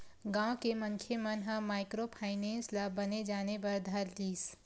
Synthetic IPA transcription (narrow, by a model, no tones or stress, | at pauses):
ɡãːwkemɐ̃ŋkʰjemɐnɦəmaːɪkɾopʰaːɪnɛ̃ːnslabɐned͡ʒaːnepɐɾd̪ʱaɾliːs